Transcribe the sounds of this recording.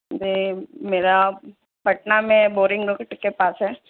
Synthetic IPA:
d͡ʒemeːɾa | bʱɐʈnamẽboːɾɪ̃ŋɡɾokɪʈkepaːsɦɛː

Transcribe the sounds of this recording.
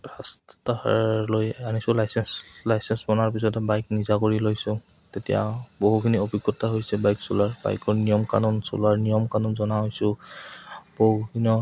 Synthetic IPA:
ɹasttalojanisʊlajsɛnslajsɛnsbɔnaɹpisɔtɛbajknizakoɹilojsʊ̃ | tetija̰boɦukʰiniobiɡɔtaɦojsɛbajksulaɹba̰jkɔɹnijɔmka̰nɔnsṵlaɹnijɔmkanɔnzɔnaɦojsʊ̃ | boɦukʰiniɔ

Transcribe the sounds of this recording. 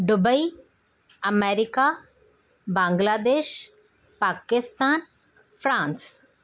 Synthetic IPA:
ɖʊbəi | ɐmeːɾɪka | bãːŋɡlaːd̪eːʃ | paːkɪst̪aːn | fɾãːns

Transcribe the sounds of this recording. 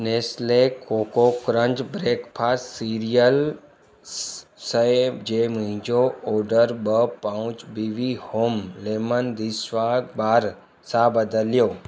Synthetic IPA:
neslekoːkokɾə̃ɲd͡ʒbɾeːkpʰaːssiɾijəl | səd͡ʒemuɦɪ̃d͡ʒooːɾɖəɾbəpaũt͡ʃbiʋihoːmlemənd̪isʋaɡbaːɾ | sabəd̪əljoː

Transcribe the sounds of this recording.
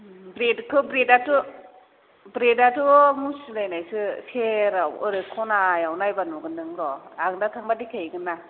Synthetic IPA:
bɾedkʰɯbɾedatu | bɾedatumusilajnajsɯsʰeɾawɯɾɯkʰɔnajawnajbanɔɡɯndɯŋdɔaŋndatʰaŋbadikʰajɡɯna

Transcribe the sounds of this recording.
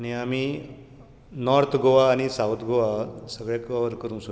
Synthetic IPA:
añiami | nɔɾt̪ʰɡoʋaːɽ̃isawt̪ʰɡoʋasəɡɭakaʋəɾkəɾũːso

